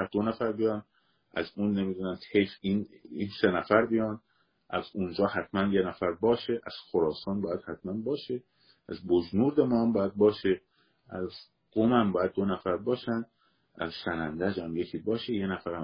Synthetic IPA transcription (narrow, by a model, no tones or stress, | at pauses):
æd̪̥onæfæɾbijɒːn | æ̰zunːe̞miːd̪unæmt̪ʰejfininsenæfæɾbijɒːn | ʔæzund͡ʒɒːhæt̪ʰmænjenæfæɾbɒːʃeʔæz̥xoɾɒːsɒːnbɒːjæd̪hæt̪ʰmænbɒːʃe | æzbod͡ʒnuːɾd̪emɒːmbɒːjæd̪̚bɒːʃe | ʔæz | ɡ̥omæmbɒːjæd̪̚ːonæfæɾbɒːʃænd̪ | æ̰zsænænd̪æd͡ʒæmje̞cʰiːbɒːʃeje̞næfæɾæ